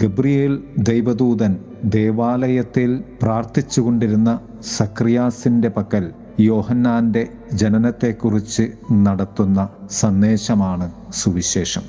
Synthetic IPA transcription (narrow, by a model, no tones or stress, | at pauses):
ɡebrijeld̪ejʋɐd̪uːd̪ɐn | d̪e̞ːʋaːlɐjɐt̪ːilpraːrt̪it͡ɕːuɣo̞ɳɖiɾunːɐ | sɐkrijaːsinde̞pɐkːɐl | jo̞ːhɐnːaːnde̞ | d͡ʑenɐnɐt̪ːe̞kːurit͡ɕːɨnɐɽɐt̪ːunːɐsɐnːe̞ːɕɐmaːɳɨsuʋiɕe̞ːʂɐm